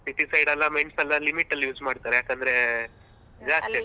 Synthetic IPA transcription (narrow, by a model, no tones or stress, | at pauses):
siʈ̪isɐjɖɐlːɐmɐjɳɖsɐlːalimiʈːɐlːjuːd͡ʒmaːɖt̪aːɾejaːkɐnd̪ɐɾe | d͡ʒaːst̪i